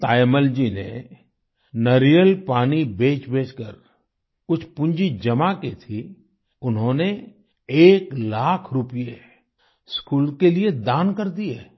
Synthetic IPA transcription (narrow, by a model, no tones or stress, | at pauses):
t̪aːjməld͡ʒinḛ | nɐɾijəlpaːnibeːt͡ʃbʱeːt͡ʃkəɾ | kʊt͡ʃʰpʊ̃ɲd͡ʒid͡ʒɐmaket̪ʰi | ʊnɦõne | eːklaːkʰɾʊpije | skuːlkelied̪aːnkɐɾd̪ie